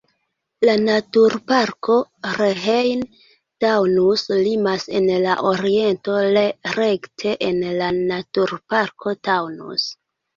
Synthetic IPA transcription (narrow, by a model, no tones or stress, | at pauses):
lanatuɾpaɾkʰo̞ɾeɦejn | tawnuslimase̞nlaʔoɾie̞nto̞leɾe̞ktʰe̞ʔenlanatuɾpaɾkʰo̞tawnṵs